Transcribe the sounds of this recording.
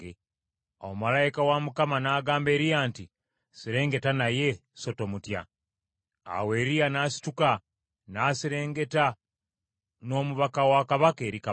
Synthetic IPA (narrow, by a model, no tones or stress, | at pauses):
o̰malajikawamukamanaːɡaːmbe̞ːɾijaːnti | siɾe̞ːŋɡe̞tanaje̞so̞to̞mutja̰ | a̰we̞ːɾijanaːsi̥tuka | naːsiɾe̞ːŋɡe̞ta | no̞ːmuβakawakaβakeːɾika